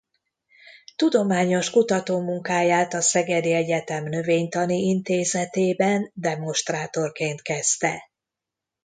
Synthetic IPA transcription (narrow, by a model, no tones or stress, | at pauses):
t̪ud̪o̞maːɲo̞ʃkut̪ɒt̪oːmuŋkaːjaːt̪ɒsɛɡɛd̪iɛɟɛt̪ɛmnø̞veːɲt̪ɒniint̪eːzɛt̪eːbɛnd̪ɛmo̞ʃt̪raːt̪o̞rkeːnt̪kɛst̪ɛ